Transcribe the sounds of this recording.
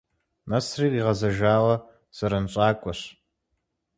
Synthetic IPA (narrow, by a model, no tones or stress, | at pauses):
nɐsriːkʼiʁɐzɐʒaːwɐ | z̥ɐɾɐnɕʷʼaːkʷʼɔɕ